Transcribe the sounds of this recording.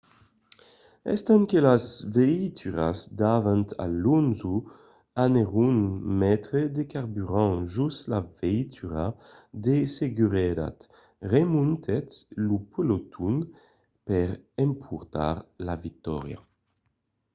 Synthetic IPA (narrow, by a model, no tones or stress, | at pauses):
ɛ̰st̪aŋkelazveit̪ʰyʁa̰zd̪avant̪ʰa̰lunzu | aneʁunmɛt̪ɾed̪ekaʁbyʁɑ̃ʒuslaveit̪ʰyʁa | d̪eseɡyʁɛɾa̰t̪ | ʁemunt̪ʰɛt̪lupolot̪ʰun | pɛʁɛmpʰuʁt̪a̰ʁlavik̚t̪ɔ̰ʁja̰